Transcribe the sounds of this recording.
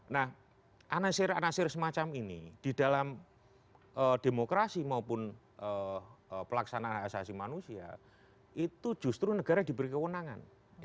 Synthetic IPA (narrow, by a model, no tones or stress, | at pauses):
nah | ʔanasɪranasɪrsəmat͡ʃaminid̥ida̤lam | ʔəd̥emokɾasimaupʊn | ʔə | pəlaksanaanasasimanusia̰ | ʔit̪ud͡ʒ̥ṳst̪ɾunəɡ̥a̤ɾadi̤bəɾikəwənaŋa̰n